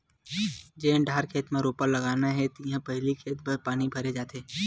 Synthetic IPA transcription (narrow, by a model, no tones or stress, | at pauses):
d͡ʒeːnɖʱaːɾkʰeːt̪mẽɾoːpəɾlɐɡaːnaɦɛt̪iɦãpɐɦɪlikʰeːt̪bʱɐɾpaːñibʱɐɾed͡ʒaːt̪eː